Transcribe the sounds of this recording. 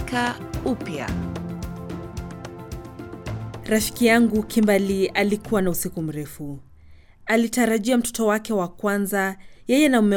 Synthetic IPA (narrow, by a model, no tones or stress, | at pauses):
ka | upja̰ | ɾafi̥kijaŋɡukʰimbalialikuwanausikum̩ɾɛfu | alitaɾaʄiam̩tɔ̥tɔwakɛwakwanzajɛjɛnaumɛ